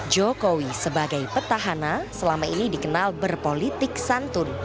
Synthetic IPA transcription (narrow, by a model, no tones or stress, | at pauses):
d͡ʒokowisəbaɡajpət̪aɦanasəlamainidikənalbərpolit̪ɪk̚sant̪ʊn